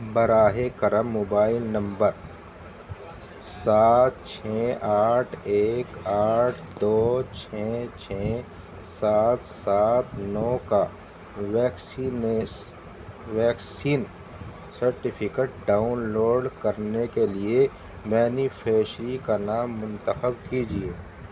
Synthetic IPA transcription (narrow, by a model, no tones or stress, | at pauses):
bɐɾaːɦekəɾəmːoːbaːɪlnɐ̃mbəɾ | saːt̪̚t͡ʃʰɛʔaːʈʰeːkaːʈʰd̪oːt͡ʃʰɛt͡ʃʰɛ | saːt̪saːt̪nɔːka | ʋɛːksn | ʋɛːksiːn | sɐɾʈɪpʰɪkeːʈ̚ɖaːʊnloːɖkɐɾnekelie | mɛːnifʰeːʃɾikanaːmːʊ̃nt̪əxəbkid͡ʒieː